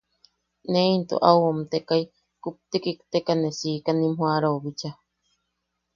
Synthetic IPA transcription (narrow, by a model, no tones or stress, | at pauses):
neint̪o̰ʔawomt̪ekai | kup̚t̪ikikt̪ekanesiːkanĩmɦũaɾaβit͡ʃa